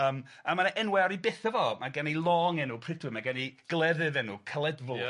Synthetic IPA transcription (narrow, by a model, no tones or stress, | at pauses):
əːm | amanʔɛnwɛɔɾibɪθəvɔmaɡanijlˠɔŋɛnupʰrɪdwɪmaɡaniɡ̥lˠɛðɨðɛnukʰəlˠɛdvʊlˠ